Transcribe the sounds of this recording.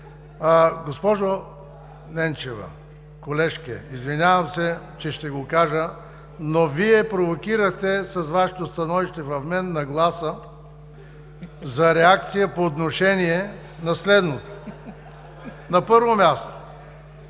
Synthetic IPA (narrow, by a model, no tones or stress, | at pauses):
ɡospɔʒo | nɛnt͡ʃɛvɐ̰ | kolɛʃkɛ̰izvinʲjavɐmsɛ | t͡ʃɛʃt̪ɛɡokaʒə | noviɛpɾovokiɾəxt̪ɛsɐzvaʃɛt̪ost̪ɐnɔviʃt̪ɛvɐfmɛnːɐɡlˠasə | zɐɾɛak̚t̪sijəpoːt̪noʃɛniɛ | nɐslɛd̪not̪o̥ | nɐpɤɾvomʲjast̪o̥